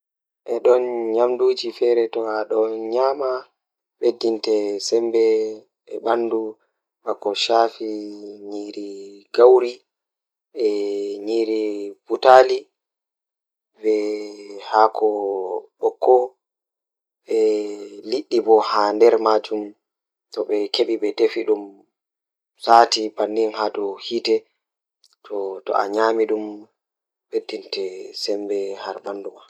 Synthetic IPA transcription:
ʔɛɗɔnɲamduːd͡ʒifɛɾɛtɔaɗɔnɲaːma | ɓedːintɛsɛmbɛ | ɛɓandu | ɓakːɔʃaːfiɲiːɾiɡ̥awɾi | ɛɲiːɾib̥utali | bɛhaːkʰɔɓɔkʰːɔ | ɓɛliɗːibɔhandɛɾmad͡ʒum | tɔɓɛkeɓiɓɛdefiɗum | saːtibanːinhadɔhitɛ | tʰɔtɔ̰ʔa̰ɲaːmiɗum | bedːintɛsɛmbɛhaɾbanduma

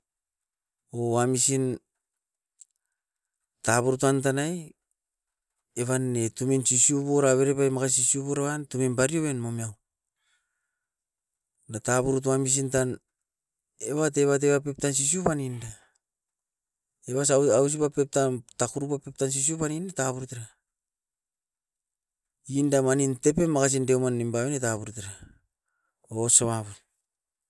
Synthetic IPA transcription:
o̞amisin | taβuɾutuantanaj | eβane̞tuminsisiuβo̞ɾaβe̞ɾepajmakasisiuβoɾaβantuminbaɾioβe̞nmo̞miaw | dataβuɾutuamis̬intan | e̞βateβat̬eβape̞p̚tansis̬iopaninda | eβasaus̬ipape̞p̚tantakuɾupape̞p̚tans̬is̬iopaninetapuɾtɾa | indamaninte̞pe̞mːakas̬inde̞wmanːimbaβenetapuɾutɾa | osaβaβun

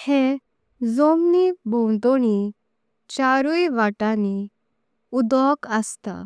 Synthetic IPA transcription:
he | d͡zomnibownd̪oni | t͡ɕaɾujʋaʈani | ud̪ɔkəst̪a̰

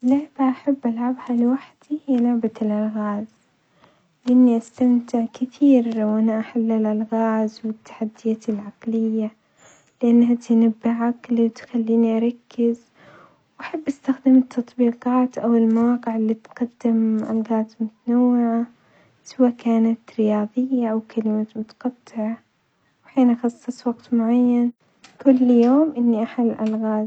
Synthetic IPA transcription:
lʊʕbaʔaħabːʔalʕabhalɪwaħd̪̥ihɪjːalʊʕbaɪlʔalɣaːz | lɪʔanːiʔast̪amt̪ɪʕkɪθiːɾawʔanaʔaħalːalʔalɣaːzwɪt̪ʰːḁħad̪ːɪjaːt̪ɪlʕaqlɪjːa | lɪʔanːhat̪nabːɪʕaqliwt̪xalːiːniʔaɾˤɑkʰːɪz | wʔaħabːʔast̪axd̪ɪmɪt̪ʰːɑt̪ˤbiːqɑːt̪ʔawɪlmawɑːqɪʕɪlːit̪qɑd̪ːɪmʔa̰lɣɑːt̪mʊt̪anawːɪʕa | sawaːkaːnat̪ɾɪjɑːðˤɨjːawkalɪmat̪mʊt̪ɑ̥qɑt̪ˤʰːɨʕa | wħiːnʔɑxɑsˤːɨsˤwɑɡt̪mʊʕajːan | kʊlːjoːmʔɪnːiʔaħaʔalɣaːz

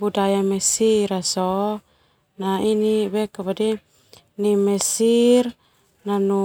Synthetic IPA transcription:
budajamɛsiɾasɔ | nainibɛkabadi | nimɛsir | nanu

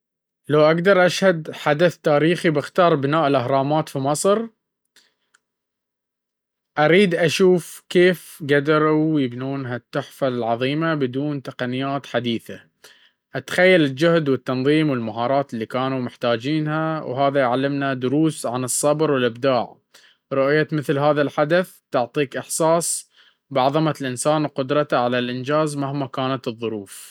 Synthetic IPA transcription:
lawʔaɡd̪ɑɾˤʔaʃhad̪ħad̪aθt̪ːaːɾiːxibɪxt̪ɑːɾˤbɪnaːʔɪlʔaɦɾˤɑːmaːt̪fimɑsˤɾ | ʔaɾiːd̪ʔaʃuːfkeːfɡad̪ɾˤujɪbnuːnɦat̪ːʊħfalʕɑðˤiːmabɪd̪uːnt̪aqɑnɪjːaːt̪ħad̪iːθa | ʔat̪xajːalɪld͡ʒʊhd̪wɪt̪ːɑnðˤiːmwɪlmaɦɑːɾˤɑːt̪ɪlːiːkaːnumɪħt̪aːd͡ʒiːnhawɦaːðajʕalːɪmnad̪ʊɾuːsʕanɨsˤːɑbɾwɪlʔɪbd̪aːʕ | ɾˤʊʔjːat̪mɪθlɦaːðalħad̪aθ | t̪ʊʕt̪ˤiːkʔɪħsɑːsˤ | bɑʕðˤɑmalʔɪnsaːnqʊd̪ɾˤɑt̪aʕalalʔɪnd͡ʒaːzmahmakaːnat̪ɨðˤːʊɾuːf

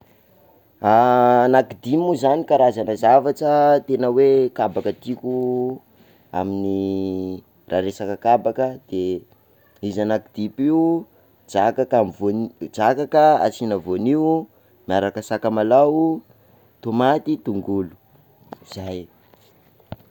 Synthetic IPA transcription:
aːnakid̪imuzanikaɾazanəzavaʈ͡ʂət̪enəwekabakət̪ikʲu | a̰mini | raɾesakəkabakəd̪̥e | izanakid̪̥ipiu | d͡ʒakakamvond͡ʒakakəa̰sinəvoniu | miaɾakəsakəmalawu | t̪omat̪it̪uŋɡulu̥ | iz̥aj

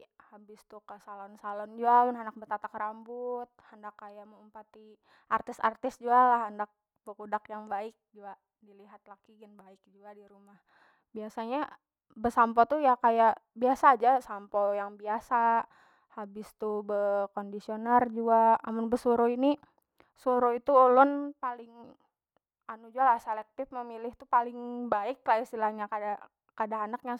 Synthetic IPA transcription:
habɪst̪ukasalɔnsalɔnd͡ʒuaːmʊnɦandak̚bət̪at̪akɾambut̪̚həndakːajamoumpat̪i | ʔart̪ɪsa̰rt̪ɪsd͡ʒualahəndak̚ | bəkudakjaŋbaɪk̚d͡ʒua | diliɦat̪̚lakiɡanbaɪk̚d͡ʒuadiɾumah | biasaɲa | bəsampɔt̪ujakajaʔbiasaːd͡ʒasampojaŋbiasa | habɪst̪ubəkondisionard͡ʒuaa̰mʊnbəsuɾoini | suɾoit̪uolɔnpalɪŋ | anud͡ʒualahselɛk̚t̪ɪfməmilɪht̪upalɪŋbaɪkːlaisilahɲakada | kadaːnak̚ɲa

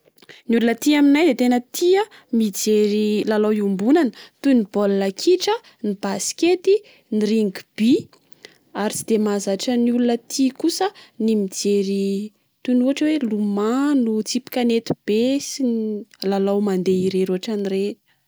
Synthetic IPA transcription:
niulunət̪iaminajd̪et̪enət̪ʰiə | mid͡zeɾilalawiumbunanət̪unib̥olanakʰiʈ͡ʂə | nib̥asi̥kʲet̪i | niɾiŋɡub̥i | aɾit͡si̥d̪̥emazaʈ͡ʂənulunət̪ʰikusənimid͡zeɾi | t̪unuaʈ͡ʂəwelumanut͡sipi̥kʲanet̪u̥b̥esinlalawmand̪eiɾeɾoaʈ͡ʂanire̥

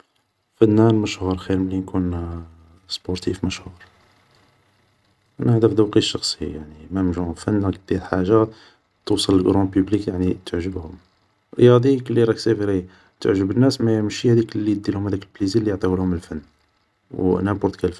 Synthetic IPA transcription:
fənːæməʃhuɾˤxiɾməlːinkun | spoɾt̪ifməʃhuɾ | ʔænæd̪æfd̪əwqiʃɑxsˤijaʕnimæmʒufənːækd̪̥ilħaʒa | t̪usˤələlɡɾɑ̃pəblikjaʕnit̪əʕʒəbhʊm | ɾjɑd̪ˤiklːiɾˤɑksevɾi | t̪əʕʒəbənːæsmæjəmʃihæd̪iklːid̪ːilhʊmhæd̪ækəlblizilːijʕt̪ˤihulhʊməlfənː | wʔæ̰næpʊɾt̪kælf

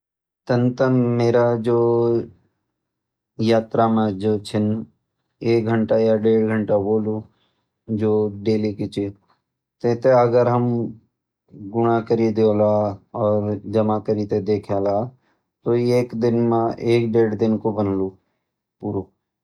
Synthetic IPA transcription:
t̪ənt̪əmeːɾad͡ʒoː | jaːt̪ɾamẽd͡ʒoːt͡ʃʰɪn | eːk̚ɡʱəɳʈajaɖeːɽɡʱə̃ɳʈaboːlu | d͡ʒoːɖeːlikɪt͡ʃʰi | t̪ẽːt̪eɐɡəɾɦɐm | ɡʊɽakəɾid̪eolaːɔːɾd͡ʒɐmakəɾit̪ed̪eːkʰjaːlaː | t̪oeːkd̪ɪnmãʔeːk̚ɖeːɽd̪ɪnkobənlo | puːɾo

